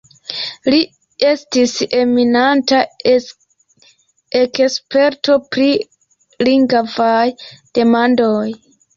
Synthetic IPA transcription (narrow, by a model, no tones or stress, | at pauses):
li | e̞stise̞minanta | ekspe̞ɾto̞pɾi | liŋɡavajd̥e̞mandoj